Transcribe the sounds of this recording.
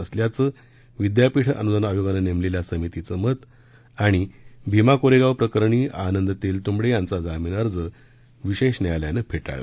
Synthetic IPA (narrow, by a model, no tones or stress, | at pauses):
əsljat͡səː | ʋid̪japiʈʰə̰nud͡z̪ənajoɡanənemleljasəmit̪it͡səmət̪ | aɽ̃ibʱimakoɾeɡaʋpɾəkəɾɳiːanənd̪t̪iːlt̪umɽejãnt͡sad͡zamiːnəɾd͡zə | ʋiɕeɕnajaljanəpʰeʈa̰ɭə̰